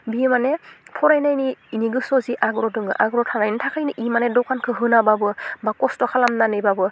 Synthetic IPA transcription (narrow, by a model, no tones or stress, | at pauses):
bimanepʰɔɾajnajniiniɡɯsɔziʔaɡɯɾɔdɯŋɡɯ̰ʔaɡɯɾɔtʰanajnɯtʰakʰajniʔimanedɔkankʰɯɦɯnababɯbakɔstɔkʰalamnanɯbabɯ